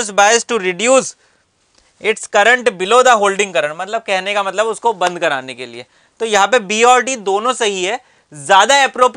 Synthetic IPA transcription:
sbaːɪsʈuɾɪɖjuːs | ɪʈskɐɾə̃ɳʈbɪlod̪aɦoːlɖɪ̃ŋɡkɐɾə̃ɳmɐt̪ləb̚kɛɦnekamɐt̪ləbʊskobɐ̃nd̪̚kɐɾa̰ːnekelḭḛ | t̪ojɐɦãpebiːɔːɾʈid̪oːnõsɐɦiɦɛ | zjaːd̪aɛpɾoːp

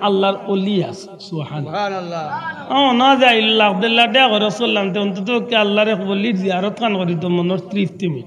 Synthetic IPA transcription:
alːaɾolias | subhan | ãɔnɔazeajlɔlakd̪ɛlːaʈejakɔɾɔsolːamt̪̬eɔnt̪ɔt̪ɔkːialːaɾebolːiɾziaɾɔt̪kʰankɔɾit̪̬ɔmɔnɔɾt̪ɾift̪imi

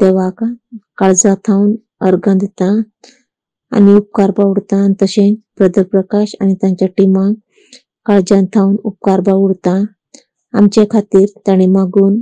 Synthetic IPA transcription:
t̪eʋakakaɭd͡zat̪ʰawn | əɾɡãd̪et̪ã | a̰niup̚kaɾbaʋuɽt̪ãnt̪əɕẽpɾəd̪əɾpɾəkaɕa̰ɽ̃it̪jãɲt͡ɕaʈimã | kaɭd͡ʑãnt̪ʰawnup̚kaɾbaʋuɽt̪ã | a̰mt͡ɕakʰat̪iːɾt̪jaɽ̃imaɡuːn

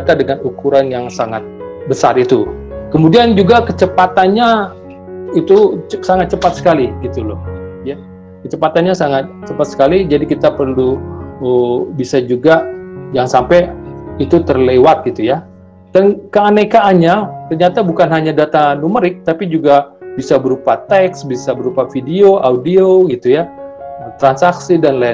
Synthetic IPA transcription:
at̪adəŋanukuɾanjaŋsaŋat̪̚bəsa̰rit̪ukəmudiand͡ʒuɡakət͡ʃəpat̪anɲa | it̪usaŋat̪̚t͡ʃəpat̪̚sə̥kaliɡit̪ulɔhja | kət͡ʃəpat̪anɲasaŋat̪̚t͡ʃəpat̪̚sə̥kalid͡ʒadikit̪apərluəbisad͡ʒuɡajaŋsampɛit̪ut̪ərlewat̪̚ɡit̪uja | d̪ankaːnakaʔːɲat̪ərɲat̪abukanɦaɲadat̪anuməɾɪk̚t̪apid͡ʒuɡabisabəɾupat̪ɛksbisabəɾupafidioʔaudioɡit̪ujaət̪ɾansaksidanla

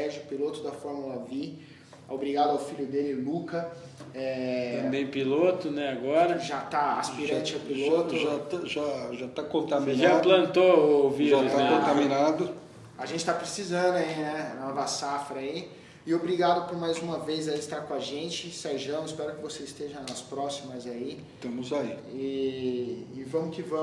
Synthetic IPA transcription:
ɛʒʊpilot̪ʊd̪ɐfɔɾmulɐvi | obɾiɡad̪ʊawfiʎʊd̪elɪlukɐ | ɛɐ̃mbẽj̃pilot̪ʊnɛaɡɔɾɐʒat̪aasppiɾɾɐ̃t͡ʃɪawpilot̪ʊʒat̪aʒaʒat̪akõt̪amĩʒaplɐ̃nt̪oʊviʒɾaʊsakõt̪amĩnad̪ʊ | aʒẽnt͡ʃɪ̥t̪apɾesizɐ̃nd̪ʊainɛnɔvɐsafɾɐai | ɪobɾiɡad̪ʊpʊɾmajzũmɐvejzaiɪst̪aɾkõaʒẽnt͡ʃɪsajʒɐ̃w̃ɪspɛɾʊkɪvoseɪst̪eʒɐ̃nɐspɾɔsimɐzai | t̪ɐ̃mʊzaiɪː | vɐ̃mʊkɪvɐ̃

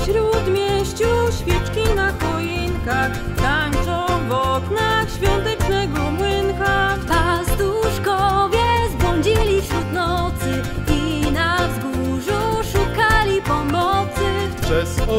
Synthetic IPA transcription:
ɕɾut̪mʲjɛɕt͡ɕuɕfʲjɛt͡ʂkʲinakɔjinkax | t̪aɲt͡sɔvɔknaxɕfʲjɔnt̪ɛt͡ʂnɛɡɔmwɘŋkap̪ast̪uʂkɔvʲjɛzbɔɲd͡ʑilʲifɕɾut̪nɔt̪sɘinavzɡuʐuʂukalʲipɔmɔtt̪sɘpʂɛs

